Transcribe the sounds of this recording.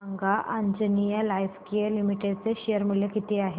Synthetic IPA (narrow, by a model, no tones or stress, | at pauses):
aŋɡaʔand͡ʑənijəlajfkijəlimiʈedt͡seɕejəɾm̤uljekit̪ʰeaɦe